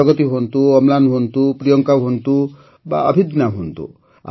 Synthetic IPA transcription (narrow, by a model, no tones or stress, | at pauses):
ɔɡɔt̪iɦont̪uɔmlanɦont̪upɾijɔŋkawɦont̪u | ba̰ɔbʱid̪naɦont̪ṵ | a̰